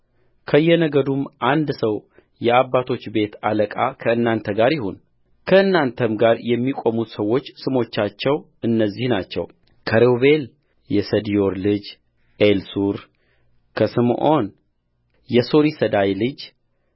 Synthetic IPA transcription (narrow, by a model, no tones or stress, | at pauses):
kʰəjːɛnəɡəd̪umʔand̪səw | jɛabːat̪ʰo̞t͡ʃːbe̞t̪aləkʼakʰəɨnːant̪ʰəɡaɾjɪhun | kʰəɨnːant̪ʰəmɡaɾjɛmːikʼo̞mut̪səwːo̞t͡ʃːsɨmo̞t͡ʃːat͡ʃːɛw | ɨnːəzːihnat͡ʃːɛ̰w | kʰəɾewβe̞l | jɛsəd̪ijo̞ɾlɨd͡ʒ | ʔelsuɾ | kʰəsɨmʔon | jɛsoɾisəd̪ajlɨd͡ʒ